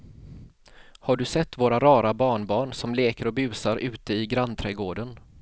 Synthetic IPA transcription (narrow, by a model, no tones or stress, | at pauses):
haɖɵsɛt̪ːvoːɾaɾɑːɾabɑːɳbɑːɳsɔmleːkəɾɔbʉ̟ːsaɾʔʉ̟ːt̪əɪɡɾant̪ʰɾɛɡoːɖən